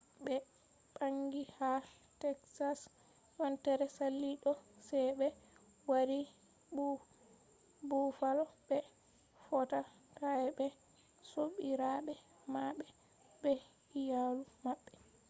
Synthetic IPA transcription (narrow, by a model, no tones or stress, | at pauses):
bɛ | ɓaŋɡiha | tɛksas | jɔntɛɾɛsalːiɗɔsɛjɓɛ | waɾi | bu | bufalɔbɛ | fɔta | kaɛbɛ | soɓiɾaɓɛ | maɓɛ | bɛ | jalumaɓːɛ